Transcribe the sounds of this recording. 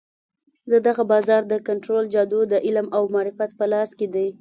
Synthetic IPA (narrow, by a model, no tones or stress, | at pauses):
d̪əd̪aɣabɑzɑɾd̪əkaɳʈɾold͡ʒɑd̪od̪əʔɪlmawmɑɾɪfat̪pəlɑsked̪aj